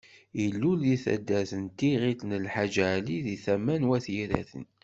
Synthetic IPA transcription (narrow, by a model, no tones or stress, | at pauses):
ilːulːiθæ̰d̪ːæθənt̪iʁit̪nəlħad͡ʒaliðiθæmːænwæθjiɾæ̰θə̰n